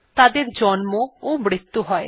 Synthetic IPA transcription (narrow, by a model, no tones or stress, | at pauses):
t̪ad̪eɾd͡ʒɔnmoomɽit̪ːuɦɔe